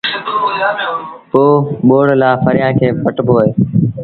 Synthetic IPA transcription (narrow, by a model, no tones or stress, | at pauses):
poːɓoːɽlaːfəɾɪjãːkʰeːpəʈpoːeː